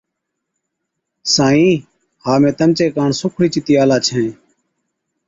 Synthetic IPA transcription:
sãːĩː | haːmẽːt̪əmt͡ʃeːkaːɳsʊkʰɽiːt͡ʃɪt̪ɪjaːlaːt͡ʃʰɛ̃ː

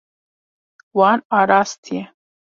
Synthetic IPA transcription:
wɑːnɑːɾɑːst̪ʰijɛ

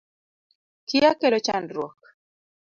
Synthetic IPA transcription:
kɪakelɔt͡ʃanɾwɔk

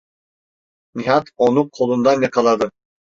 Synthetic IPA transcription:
niɦɑt̪onuqʰolˠund̪ɑnjɑqʰɑlˠɑd̪ɯ

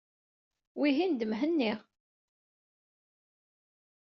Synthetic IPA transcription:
wiɦind̪əmɦənːiʁ

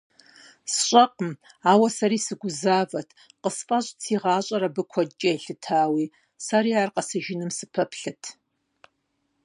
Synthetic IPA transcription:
sɕʷʼɐqʼəm | aːwɐsɐɾiːsɨɡʷʊzaːvɐtʰ | qəspʼɐɕʼt͡sʰiːʁɑːɕʼɐɾɐbɨkʷʰɔt͡ʃʼɐɬɨtʰaːwiː | saɾiːaːrqɐsɨʒɪnɨmsɨpʰɐpʰɬɨtʰ

